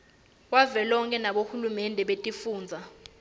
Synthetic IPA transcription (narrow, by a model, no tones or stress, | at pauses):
wavɛlɔŋkʼɛnaɓohulumɛndʱɛɓetʼifuːnd͡zʱa